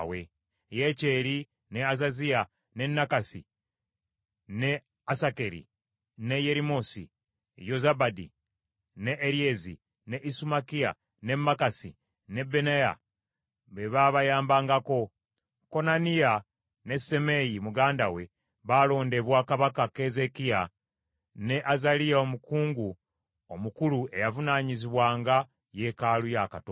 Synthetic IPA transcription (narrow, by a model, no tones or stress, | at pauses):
we̞̰ | je̞ce̞ːɾi | ne̞azazia | ne̞nːakasi | ne̞ | asake̞ɾḭ | ne̞je̞ɾimo̞sḭ | jo̞zabadḭ | neʔːɾiezḭ | ne̞ʔisumakia̰ | ne̞mːakasḭ | ne̞benaja̰ | βe̞βaβajaːmbaːŋɡako̞ | ko̞nanija | ne̞se̞me̞jimuɡaːndawe̞ | βalo̞ːnde̞βwaːkaβakakeze̞kija | ne̞ʔazalijao̞mukuːŋɡu | omukulue̞javunaːɲiziβwaːŋɡa | je̞kalujakato